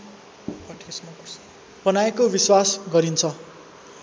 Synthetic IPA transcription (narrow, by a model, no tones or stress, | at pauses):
pʌʈʰism | b̥ʌnaekobiswasɡʌɾint͡sʰʌ